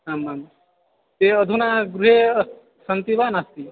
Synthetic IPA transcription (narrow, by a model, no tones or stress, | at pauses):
aːmːaːm | t̪eəd̪ʱunaːɡɾuɦe | sənt̪ibaːnast̪i